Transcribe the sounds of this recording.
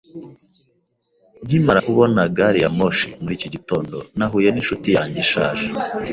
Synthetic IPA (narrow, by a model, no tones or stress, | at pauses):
bɟimaɾahuβonaɡaɾijamoʃimuɾiciɟito̞ːndonaɦuje̞ninʃutijaːɲɟiʃaːʒe